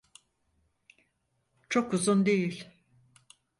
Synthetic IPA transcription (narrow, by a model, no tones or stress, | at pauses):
t͡ʃʰo̞kuzund̪ejilʲ